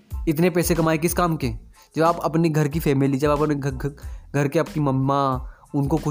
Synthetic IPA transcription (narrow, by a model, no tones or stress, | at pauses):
ɪt̪nepɛːsekɐmaːek̬ɪskaːmke | d͡ʒɐbaːpɐpneɡʱɐɾk̬ifʰɛːmɪlid͡ʒɐbapn | ɡʱɐɾkeɐp̚nimɐmːa | ʊnkokʊ